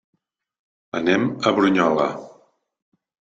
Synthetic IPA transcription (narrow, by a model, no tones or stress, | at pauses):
ənɛməβɾuɲɔlə̰